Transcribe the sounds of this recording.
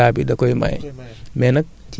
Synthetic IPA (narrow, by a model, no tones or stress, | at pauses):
aːbidɐkojma̰j | mɛnɐk̚